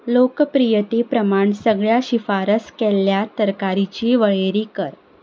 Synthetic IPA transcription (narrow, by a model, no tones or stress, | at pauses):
lokpɾijət̪epɾəmaɳsəɡɭjaɕifaɾəskɛlːjat̪əɾkaɾit͡ɕiːʋəɭeɾiːkəɾ